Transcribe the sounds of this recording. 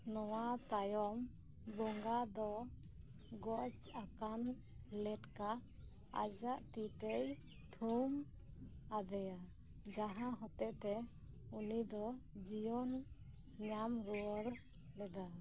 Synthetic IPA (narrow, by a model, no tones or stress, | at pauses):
nɔwat̪ajɔm | bɔŋɡad̪ɔ | ɡɔt͡ʃakan | lɛʈka | a̰d͡ʒaʔt̪it̪ɛj | t̪ʰum | ad̪ɛja | d͡ʒaɦãɦɔt̪ɛʔt̪ɛ | unid̪ɔd͡ʒijɔn | ɲamɾuwɔɾ | lɛd̪a